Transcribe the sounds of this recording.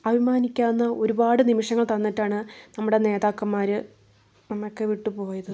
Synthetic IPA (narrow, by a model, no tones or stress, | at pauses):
ɐbʱimaːnikʲːaːnːɐo̞ɾubaːɽɨnimiʂɐŋːɐɭt̪ɐnːiʈːaːɳɨnɐmːuɽe̞ne̞ːðaːkːɐmːaːɾɨ | nɐmːokːeʋiʈːupo̞ːjɐðɨ